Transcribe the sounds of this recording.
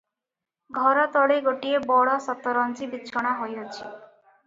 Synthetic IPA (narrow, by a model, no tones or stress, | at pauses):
ɡʱɔɾɔt̪ɔɽeɡoʈiebɔɽɔsɔt̪ɔɾɔnt͡ʃibit͡ʃʰɔɽ̃aɦojɔt͡ʃʰi